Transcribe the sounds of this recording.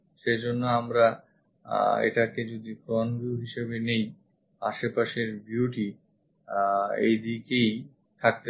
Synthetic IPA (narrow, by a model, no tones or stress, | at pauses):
ʃed͡ʑonːoamɾa | ḛʈaked͡ʑod̪ikɾɔnɡiuuɦiʃebenej | a̰ʃepaʃeɾbjuʈi | ḛjd̪ikej | t̪ʰak̚t̪e